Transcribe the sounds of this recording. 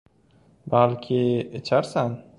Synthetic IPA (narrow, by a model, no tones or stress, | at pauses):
balkʲʰɪet͡ʃʰaɾsan